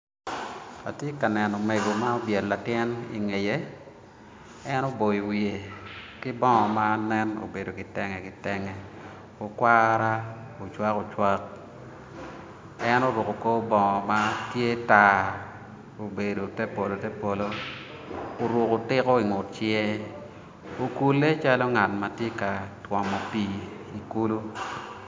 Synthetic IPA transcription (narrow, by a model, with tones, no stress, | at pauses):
a̰˨tje˦ka˨nɛ˨nɔ˨me˨ɡo˨ma˦o˦bjɛ˨lla˨tɪ˦nḭ˨ŋe˨je˦ | ɛ˦no˦bo˨ji˨wie˨kɪ˦bɔ˦ŋɔ˨ma˦nɛ˦no̰˨be˨do˨kɪ˨tɛ˦ŋɛ˨kɪ˨tɛ˦ŋɛ˨ | o˨kwa˦ɾa˦ | o˨t͡ʃwa˦ko˨t͡ʃwa˦k̚ | ɛ˦no˦ɾʊ˨ko˨ko˦bɔ˦˨ŋɔ˨ma˦tje˦ta˨ | o˨be˨do˨tɛ˦po˨lo˨tɛ˦po˨lo˦ | o˨ɾʊ˨ko˨tɪ˦kɔ˦i˨ŋʊ˨t̚t͡ʃɛ˦ | o˨ku˨le˦t͡ʃa˦lɔ˦ŋa˨tma˦tje˦ka˨twɔ˨mɔ˨pi˦ | i˨ku˦lu˦